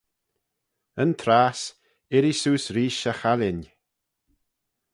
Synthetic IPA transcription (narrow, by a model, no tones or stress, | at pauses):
ənt̪ʰɾaːs | ɪɾisuːsɾiːʃəxalɪn